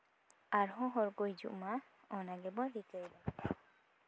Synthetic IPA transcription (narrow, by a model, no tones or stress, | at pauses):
aɾɦɔ̃ɦɔɾɡojd͡ʒṵʔma | ɔnaɡɛbɔɾikəjla